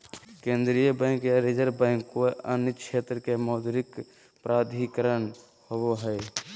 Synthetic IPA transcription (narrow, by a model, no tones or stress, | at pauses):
kẽːnd̪ɾijəbɛ̃ŋkjaɾed͡ʒəɾbɛ̃ːŋkoənjət͡ʃʰeːt̪ɾəkemɔːd̪ɾɪk | pɾaːd̪ʱikəɾən | howoɦɛ